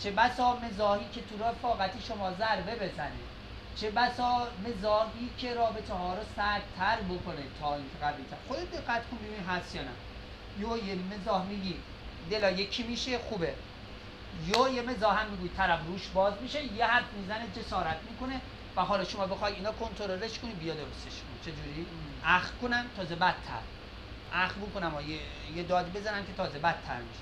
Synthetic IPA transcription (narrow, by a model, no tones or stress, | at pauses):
t͡ʃʰebæsɒːme̞zɒːhiːkʰe̞t̪ʰuɾɒːfɒːɣæt̪ʰiːʃomɒːzæɾbe̞be̞zænḭːd̪̥ | t͡ʃʰe̞bæsɒːme̞zɒːɦiːcʰe̞ɾɒːbe̞t̪ʰeɦɒːɾɔsæd̪̥̚t̪ʰːæɾbokʰonet̪ʰɒːiːŋkʰeɣæviːlt̪ʰæɾxod̪ed̪eɡːæt̪kʰonbebuniɦæst̪jɒːnæ̰ | jojemezɒːhmiːɡiː | d̪elɒːjekʰiːmiːʃexuːbe | jojeme̞zɒːɦæmːiɡuːit̪ʰæɾæfɾuːʃbɒːzmiʃejehæɾfmiːzæned͡ʒe̞sɒːɾæt̪ʰmiːko̞ne | væɦɒːlɒːʃomɒːbexɒːjid̪iːnɒːkʰont̪ʰoɾoɾeʃkonibijɒd̪oɾost̪eʃkʰonit͡ʃʰe̞d͡ʒuːɾiːʔæxkonæmt̪ʰɒːzebæt̪̚ʰːæ̰ɾ | ʔæxbokonæmɒje | jed̪ɒːd̪ibezæɾæmkʲʰe̞t̪ʰɒːzebæd̪ʰæ̰ɾmiʃe̥